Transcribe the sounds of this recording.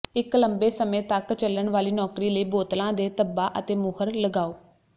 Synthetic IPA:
ɪkləmbeːsəmẽːt̪əkt͡ʃələɳʋaːliːnɔːkɾiːləiːboːt̪lãːd̪eːt̪əbːaːʔət̪eːmʊhəɾləɡaːoː

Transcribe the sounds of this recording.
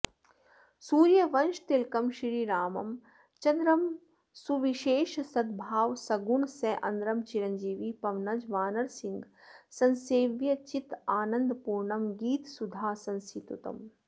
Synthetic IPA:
suːɾjɐʋɐnʃt̪ilkɐmʃɾiːɾaːmɐ̰m | t͡ʃɐnd̪ɾɐm | suʋiʃeːʃsɐd̪bʱaːʋsɐɡuɳsɐʔɐ̰nd̪ɾɐmt͡ʃiɾɐɲd͡ʒiːʋipɐʋnɐd͡ʒʋaːnɐɾsiŋɡsɐ̃nseːʋjɐt͡ʃit̪aːnɐ̃nd̪puːɾɳɐmɡiːt̪sud̪ʱaːsɐ̃nsʰit̪ut̪ɐ̰m

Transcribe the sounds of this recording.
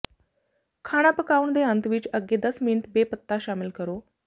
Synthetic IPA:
kʰaɽ̃apəkaund̪eənt̪ʋiːt͡ɕəɡed̪əsminʈbepət̪ːaɕamilkəɾo

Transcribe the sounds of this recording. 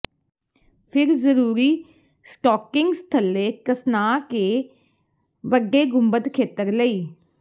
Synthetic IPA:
pʰɪɾzəɾuːɾiː | sʈɔːkɪŋɡst̪ʰəlːeːkəsnaːkeː | ʋəɡːeːɡʊmbət̪kʰeːt̪əɾləiː

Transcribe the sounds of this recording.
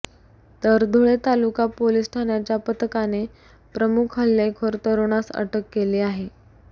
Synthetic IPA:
t̪əɾd̪ʱoɭet̪alukapolisʈʰanjat͡ɕjapət̪əkane | pɾəmukʰɦəlːekʰoɾt̪əɾoɽ̃asə̰ʈəkːeleːaɦe

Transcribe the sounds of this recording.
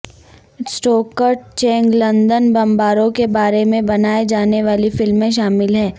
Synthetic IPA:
sʈoːkəɾʈ̚t͡ʃɛ̃ːŋɡlɐ̃nd̪ənbɐ̃mbaːɾõkebaːɾemẽbɐnaːed͡ʒaːneʋaːlifɪlmẽʃ̬aːmɪlɦɛː

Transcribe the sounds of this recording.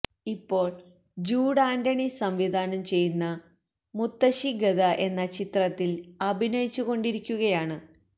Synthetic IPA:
ipːo̞ːɭ | d͡ʑuːɽaːndɐɳisɐmʋid̪ʱaːnɐmt͡ɕe̞junːɐ | mut̪ːɐɕiɡɐd̪ɐʔe̞nːɐt͡ɕit̪rɐt̪ːilɐbʱinɐjit͡ɕːuɣo̞ɳɖiɾikʲːuɣɐjaːɳɨ

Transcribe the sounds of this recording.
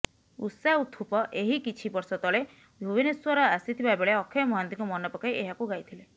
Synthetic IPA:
ṵsaut̪ʰupɔʔeɦikit͡ʃʰibɔɾsɔt̪ɔɭe | bʱjubineswɔɾɔasit̪ʰibabeɭeɔkʰːeɔmɔɦant̪iŋkumɔnɔpɔkajʔeɦakuɡajt̪ʰile

